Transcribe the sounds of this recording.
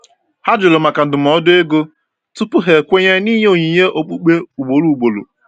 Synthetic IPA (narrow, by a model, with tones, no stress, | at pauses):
ha˦d͡ʒʊ˨lo˨ma˨ka˨n̩˨dʊ˨m̩˨ɔ˦dʊ˦e˦ɡo˦ | tʊ˦pʊ˦ɦe˨kʷe˦ɲe˦niː˦ɲe˦o˨ɲi˨ɦe˦ʔo˨k͡pu˦k͡pe˦u˨ɡ͡bo˨ɾu˦˨u˨ɡ͡bo˨lṵ˨